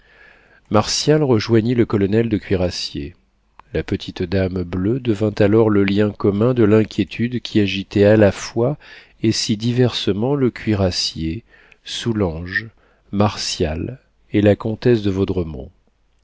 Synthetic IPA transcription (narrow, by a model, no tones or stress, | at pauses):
maʁsjalʁəʒwaɲiləkɔlɔnɛld̪əkʲɥiʁasjḛ | lapət̪ʰit̪d̪amblød̪əvɛ̃t̪alɔʁləljɛ̃kɔmɛ̃d̪əlɛ̃kʲʰjet̪ʰyd̪kʲʰiaʒit̪ɛalafwa | esid̪ivɛʁsəmɑ̃ləkʲʰɥiʁasje | sulɑ̃ʒ | maʁsjal | elakɔ̃t̪ɛsd̪əvod̪ʁəmɔ̰̃